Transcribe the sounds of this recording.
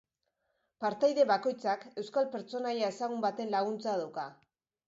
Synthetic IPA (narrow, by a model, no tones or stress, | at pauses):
paɾt̪ajðe̞βako̞jt͡sake̞wskalpe̞ɾt͡so̞najae̞saɣumbat̪e̞nlaɣ̞unt͡saðawka